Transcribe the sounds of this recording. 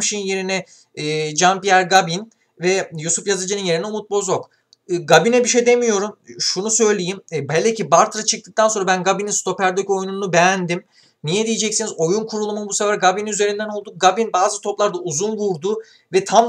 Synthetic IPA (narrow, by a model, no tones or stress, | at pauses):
ʃijɯnje̞ɾinɛː | d͡ʒampijæɾɡabin | vɛjusufjazɯd͡ʒɯnɯnje̞ɾinɛomut̪̚bo̞zokː | ɡabinɛbiʃejd̪emijo̞ɾumʃunusø̞jlʲe̞jimbælʲd̪ɛcibaɾt̪ʰɾat͡ʃʰɯk̚t̪ɯk̚t̪ʰanso̞nɾabænɡabininst̪ʰo̞pæɾd̪øco̞jununubejænd̪im | nijɛd̪ijed͡ʒɛcsinizo̞junkʰuɾulˠumunbusefæɾɡabininyze̞ɾind̪ænolˠd̪uk̚ɡabinbaːzɯt̪ʰo̞plˠaɾd̪auzunvuɾd̪u | vɛt̪ʰam